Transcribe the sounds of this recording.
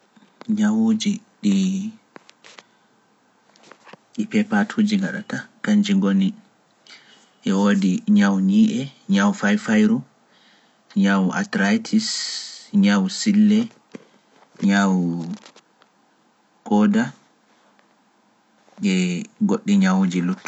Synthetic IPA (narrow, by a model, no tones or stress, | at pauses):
ɲawud͡ʒi | ɗi | ɗipɛpatʰud͡ʒiŋɡaɗa̰takaɲd͡ʒiŋɡoni | ʔɛwoːdiɲawɲiːʔɛɲawfajfajɾu | ɲawʔa̰tɾajtʰisɲawsilːɛ | ɲaw | kɔːda | ɛɡoɗːiɲawud͡ʒilutː